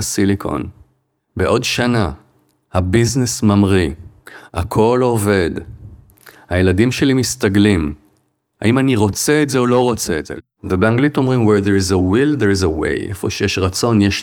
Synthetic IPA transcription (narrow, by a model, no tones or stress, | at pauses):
asilikʰo̰n | beʔo̞dʃana | habiznesmamʁiha̰kʰo̞lo̞ve̞d | hajeladimʃe̞limistaɡlim | ha̰ʔimaniʁo̞t͡seːtze̞olo̞ʁo̞t͡seːtz̥e̞̰ | vebeaŋɡlito̞mʁimweʁd̪eɾizewild̪eʁizewḛjʔḛfo̞̰ʃejeʃʁat͡so̞njeʃ